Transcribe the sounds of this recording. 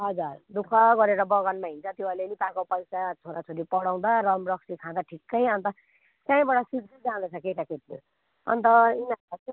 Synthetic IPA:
ɦʌd͡zurd̪ukʰːʌɡʌɾeɾʌbʌɣʌnmaɦint͡sʰʌt̪joʌlenipakopʌjsat͡sʰoɾat͡sʰoɾipʌɽaw̃d̪aɾʌmɾʌksikʰãd̪aʈʰikːʌjʌnt̪ʌ | tjãĩbʌɽʌsiʈid͡zãnd̪ʌt͡sʰʌkeʈaket̪lo̰ | ʌ̰nt̪ʌinaat

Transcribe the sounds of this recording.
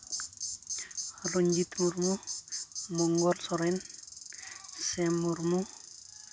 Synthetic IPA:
loɲd͡ʒit̪muɾmu | mɔŋɡɔɾsɔɾen | sɛmːuɾmu

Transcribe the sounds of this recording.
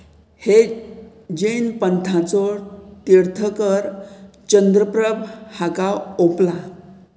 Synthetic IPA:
he | d͡ʑenpənt̪ʰat͡sɔt̪iɾt̪ʰəkəɾ | t͡ɕənd̪ɾəpɾəbʱhakaopla

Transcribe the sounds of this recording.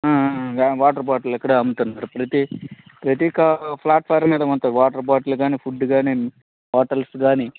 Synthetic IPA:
aːɡaːʋaːʈɐɾbaːʈɐlɛkːɐɽɐɐmut̪unːaːɾupɾɐt̪ipɾɐt̪ikɐpʰlaːʈ̚faːɾmiːd̪ɐmɐnt̪ɐʋaːʈɐɾbaːʈɐluɡaːniːpʰuɖːɡaːni | ʋaːʈɐlsɡaːni

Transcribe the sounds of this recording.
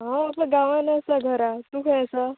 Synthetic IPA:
ɦãpəɡãʋanəsaɡʱəɾat̪ukʰɛ̃əsa

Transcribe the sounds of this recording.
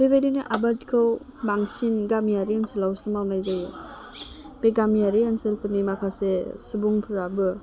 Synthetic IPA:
bebejdiniʔabatkʰɯw | baŋsinɡamijaɾianselawsɯmawnajzaj | b̥eɡamijaɾianselpʰɯtnimakʰasesubuŋpʰuɾabɯ

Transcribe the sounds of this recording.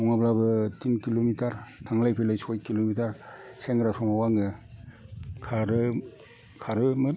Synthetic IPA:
mɔŋablabɯtʰinkilomitaɾtʰaŋlajpʰelajsɔjkilomitaɾseŋɡɾasɔmawaŋɯ | kʰaɾɯ | kʰaɾɯmɯt

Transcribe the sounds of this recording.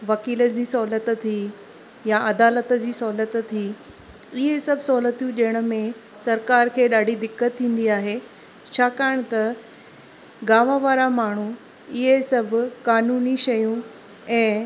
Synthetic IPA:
ʋɐkiːləd͡ʑiːsɔɦlət̪t̪ʰiː | jaʔɐd̪aːlət̪d͡ʑiːsɔɦlət̪t̪ʰiː | ɪɦesɐbʱɪsɔɦːlət̪ʰːjũʄɐ̃ɦɪɽ̃ə̆mẽ | sɐɾkaːɾkʰeːɗaːɖʱid̪ɪkːət̪ʰːĩːn̆d̪iaːɦeː | t͡ɕʰaːkaːɽ̃t̪ɐ | ɡaːʋə̃ʋaːɾamaːɳ̤u | ɪɦesɐbʱʊ̆kaːnuːniʃɐjũ | ɛ̃ː

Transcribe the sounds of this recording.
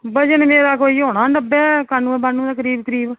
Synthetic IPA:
bəd͡ʒənmeːɾaːkoːiːɦoːɽ̃aːɳɖəbɛːkanːũːɛ̃ːbanːũːd̪akəɾiːbkəɾiːb

